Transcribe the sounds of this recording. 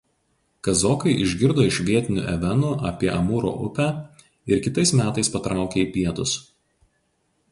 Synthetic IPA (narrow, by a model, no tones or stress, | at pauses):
kɐzɔːkɐɪʔɪʒʲɡʲɪɾd̪oːɪʃʲʋʲiɛt̪ʲɪnʲṵːʔɛʋʲɛnuːʔɐpʲiɛʔɐmuːɾo̰ːʔʊpʲæː | ɪɾkʲɪt̪ɐɪsmʲæːt̪ɐɪspɐt̪ɾɑˑʊkʲeːiˑpʲiɛt̪ʊs